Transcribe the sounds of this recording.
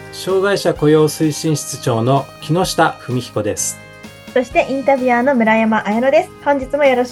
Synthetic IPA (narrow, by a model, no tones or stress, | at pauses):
ɕo̞ːɡaiɕako̞jo̞ːsɨiɕĩɰ̃ɕi̥t͡sɨ̥t͡ɕo̞ːno̞kʲino̞ɕi̥t̪aɸɯ̟mʲiçi̥ko̞d̪e̞sɨ̥ | so̞ɕi̥t̪e̞ʔĩnt̪abʲianomɯ̟ɾajamaʔajenod̪e̞sɨ̥hõɲ̟d͡ʑit͡sɨmo̞joɾo̞